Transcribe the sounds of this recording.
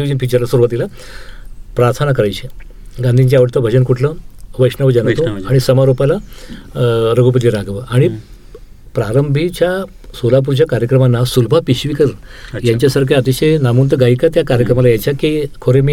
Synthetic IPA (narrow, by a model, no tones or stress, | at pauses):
iʋd͡ʑənpit͡ɕəɾlasʋəɾuʋat̪ila | pɾaɾt̪ʰanakəɾajt͡ɕe | ɡand̪ʱiɲt͡ɕjaʋəɽt̪əbʱəd͡ʑənkuʈʰləʋəjʂnəʋəd͡ʑanat̪oaɽ̃isəmaɾopala | ɾəɡup̬ət̪iɾaɡʋəʔaɽ̃i | pɾaɾəmbʱit͡ɕja | solap̬uɾt͡ɕakaɾjəkɾəmanːasulbʱapiɕʋikəɾjaɲt͡ɕjasaɾkʰeət̪iɕenamunt̪əɡaikat̪jakaɾjəkɾəmalajaɲt͡ɕjakikʰoɾemi